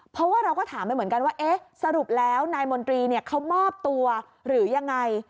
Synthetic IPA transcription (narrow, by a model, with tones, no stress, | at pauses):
pʰɔ˦˥waː˥˩ɾa˧wkɔː˥˩t̪ʰaː˩˦mpa˧nmɯ˩˦nka˧nwaː˥˩ʔe˦˥sa˧ɾu˨˩p̚lɛː˦˥wnaː˧jmo˧nt̪ɾiː˧ni˥˩ɐkʰa˦˥wmɔː˥˩p̚t̪u˧ɐ | ɾɯː˩˦ja˧ŋːa˧j